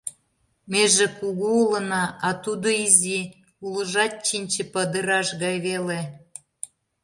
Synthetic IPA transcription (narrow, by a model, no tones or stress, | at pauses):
meʒĕkuɣuulə̆nɑɑt̪ud̪oizi | ulə̆ʒɑt̪̚t͡ɕinʲt͡ɕĕpəd̪ə̆ɾɑʃɣɑjβele